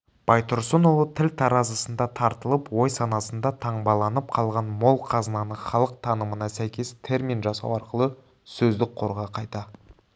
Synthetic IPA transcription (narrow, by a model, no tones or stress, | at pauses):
b̥ɑjt̪ʰʊɾsənolˠət̪ʰɪlt̪ʰɑɾɑzəsənd̪ɑt̪ʰɑɾt̪əlˠəpwo̞jsɑnɑsənd̪ɑt̪ʰɑɴbɑlˠɑnəp̚qʰɑlˠʁɑnmo̞lˠqʰɑzənɑnəχɑlˠəq̚t̪ʰɑnəmənɑsæjkʲe̞st̪ʰe̞ɾmʲinʒɑsɑ̰wɑɾqəlˠə | sɵzd̪ɪk̚qʰo̞ɾʁɑqʰɑjt̪ɑ